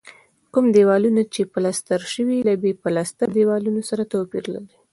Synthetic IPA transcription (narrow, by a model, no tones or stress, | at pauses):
kumd̪ewɑlunat͡ʃepalast̪aɾʃəwilabepalast̪ad̪ewɑlunosaɾat̪opḭɾla̰ɾi